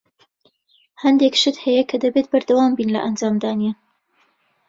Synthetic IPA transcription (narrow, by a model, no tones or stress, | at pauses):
hɐnd̪ekʃɨt̪hɐjɐkʰɐd̪ɐbet̪̚bɐɾd̪ɐwaːmbiːnlɐ̰ʔɐnd͡ʒaːmd̪aːnje